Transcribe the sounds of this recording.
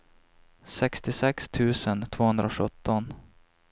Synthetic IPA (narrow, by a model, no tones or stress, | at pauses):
sɛkst̪ɪsɛkst̪ʰʉ̟ːsənt̪ʰv̥oːhɵnd̪ɾaɧɵt̪ːɔn